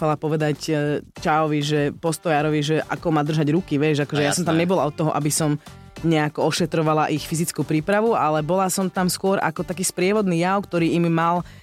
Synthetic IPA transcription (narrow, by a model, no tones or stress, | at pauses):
falapɔʋɛd̪act͡ʃaɔʋiʒɛpɔst̪ɔjaːɾɔʋiʒɛʔa̰kɔmaːd̪r̩ʒaɟɾukiʋjɛʒakɔʒɛjasɔmt̪amɲɛbɔlaɔt̪ːɔɦɔʔabisɔm | ɲɛakɔɔʃɛt̪ɾɔʋalaʔixfizit͡skuːpɾiːpɾaʋualɛbɔlasɔmt̪amskʊɔɾʔa̰kɔt̪akiːspɾɪɛʋɔd̪niːjaʊkt̪ɔɾiːimːal